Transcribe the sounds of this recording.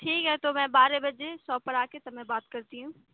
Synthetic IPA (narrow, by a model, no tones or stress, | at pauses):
ʈʰiːkɦɛɛt̪oːmɛ̃baːɾebɐd͡ʑesɔːpɐɾaːket̪ɐmɛ̃baːt̪kɐɾt̪iɦũː